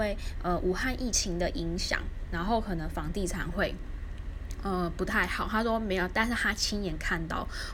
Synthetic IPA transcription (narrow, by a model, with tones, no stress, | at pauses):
e˥˨ɪʔə˧ʔu˨˩xa˥˧nʔi˥˩t͡ɕʰi˧˦ŋd̪ə˨ʔi˧˦ŋɕjɑ̰˨˩˦ŋna˧˦˥nxo˥˩ʊkʰɤ˨˩nə˦˥ŋfɑ˧˥ŋt̪i˥˩ʈ͡ʂʰa˨˩˦nxwe˥˩ɪ | ə˧pu˨˦˥t̪ʰa˥˩ɪxɑ˨˩˦ʊt̪ʰa˥ʂwɔ˥me˧˥ɪjo˨˩ʊt̪a˥˧nʂɻ̩˥˩t̪ʰa˥t͡ɕʰi˥njɛ˨˧˥nkʰa˥˧nt̪ɑ̰˥˩ʊ